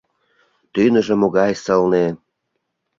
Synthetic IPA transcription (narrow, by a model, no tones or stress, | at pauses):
t̪ynə̆ʒĕmoɣɑjsəlne